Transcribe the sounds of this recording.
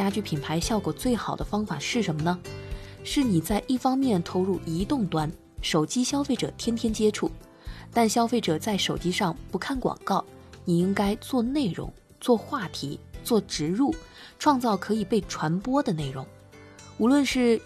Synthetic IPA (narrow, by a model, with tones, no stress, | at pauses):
t͡ɕja˥t͡ɕy˥˩pʰi˨˩npʰa˧˥ɪɕjɑ˥˩ʊkwɔ˨˩t͡swe˥˩ɪxɑ˨˩ʊd̪ə˦fɑ˥ŋfa˨˩ʂɻ̩˥˩ʂə˧˥nmə˧nə˧ | ʂɻ̩˥˩ni˨˩t͡sa˥˧ɪʔi˥˩fɑ˥ŋmjɛ˥˩nt̪ʰo˧˥ʊɻu˥˩i˧˥t̪ʊ˥˩ŋt̪wa˥n | ʂo˨˩ʊt͡ɕi˥ɕjɑ˥fe˥˩ɪʈ͡ʂɤ̰˨˩t̪ʰjɛ˥nt̪ʰjɛ˥nt͡ɕjɛ˥ʈ͡ʂʰu˥˩ | t̪a˥˩nɕjɑ˥ʊfe˥˩ɪʈ͡ʂɤ˨˩t͡sa˥˩ɪʂo˨˩ʊt͡ɕi˥ʂɑ˥˧ŋpu˧˥kʰa˥˩nkwɑ̰˨˩ŋkɑ˥˩ʊni˨˩i˥ŋka˥ɪt͡swɔ˥˧ne˥˩ɪɻʊ̰˧˥ŋ | t͡swɔ˥˧xwa˥˩t̪ʰḭ˧˥t͡swɔ˥˩ʈ͡ʂɻ̩˧˥ɻu˥˩ | ʈ͡ʂʰwɑ˥˧ŋt͡sɑ˥˩ʊkʰɤ˧˥i˨˩pe˥˩ɪʈ͡ʂʰwa˧˥npwɔ˥d̪ə˨ne˥˩ɪɻʊ˧˥ŋ | u˧˥lwə˥˧nʂɻ̩˥˩